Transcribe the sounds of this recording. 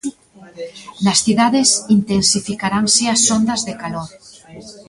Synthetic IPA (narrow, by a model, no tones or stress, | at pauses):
nasθiðaðesint̪ensifikaɾaŋseasond̪azðekaloɾ